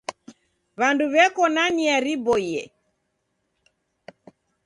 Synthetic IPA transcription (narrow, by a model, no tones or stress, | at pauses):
βanduβɛkɔnaniaɾibɔiɛ